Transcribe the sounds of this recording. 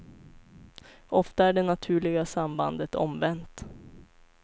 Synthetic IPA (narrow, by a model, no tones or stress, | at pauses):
ʔɔft̪aæɖɛnat̪ʰʉ̟ːɭɪɡasamba̰nd̪ət̪ʰɔ̰mvɛnt̪